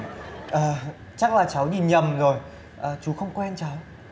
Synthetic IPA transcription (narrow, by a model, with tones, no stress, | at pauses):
ʔəː˨˩ | t͡ɕa˦˥k̚laː˨˩t͡ɕa˨˦wzi˨˩ɲə˨˩mzo˨˩j | ʔəː˨˩t͡ɕu˨˦xə˧wŋ͡mkwɛ˧nt͡ɕa˨˦w